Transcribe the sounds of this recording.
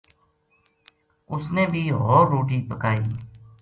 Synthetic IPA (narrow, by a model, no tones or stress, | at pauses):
ʊsneːbʱiːɦoːɾːoːʈiːpəkaːiː